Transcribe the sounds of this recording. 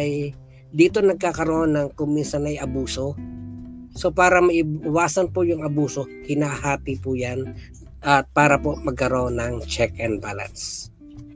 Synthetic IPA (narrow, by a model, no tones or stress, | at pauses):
ʔɐj | d̪iːt̪onɐɡ̚kakɐɾoʔonːɐŋkʊŋminsɐnɐjʔɐbuːso̞ | sopaːɾɐmɐʔɪɪwaːsɐnpojʊŋɐbuːso̞hɪnaːhaːp̪ipʊjan | ʔɐt̪̚paːɾɐpomɐɡ̚kɐɾo̞nɐŋt͡ʃɛkʔɛnd̪̚baːlɐ̰ns